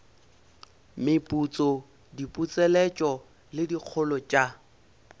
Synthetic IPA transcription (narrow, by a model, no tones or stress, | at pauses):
mɪpʼut͡sʼɔ | dipʼut͡sʼɛlɛt͡ʃʼɔ | lɪdik͡xʰʊlɔt͡ʃʼa